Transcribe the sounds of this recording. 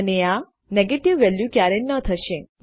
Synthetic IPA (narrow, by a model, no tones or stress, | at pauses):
ənea | neɡeʈiʋːɛljukjaɾenət̪ʰəʃe